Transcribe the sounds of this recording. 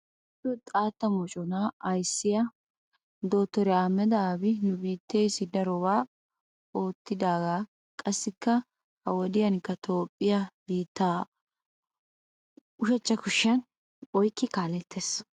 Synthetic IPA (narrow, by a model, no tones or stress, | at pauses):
tːɔt̪ʼaːt̪ːɐmɔt͡ʃʼɔnaɐjsːɪjɐ | d̪o̞ːt̪ːɔɾɛaːmːɛd̪ɐaːbɪnʊbiːt̪ːeːsɪd̪ɐɾɔbaː | o̞ːt̪ːɪd̪aːɡaː | kʼɐsːɪkːɐ | hɐwɔd̪ɪjɐnkːɐt̪ʰo̞ːpʼːɪjɐbiːt̪ːaː | ʊʃɐt͡ʃʼːɐkʊʃːɪɐn | ɔjkːɪkaːlɛt̪ʰːeːs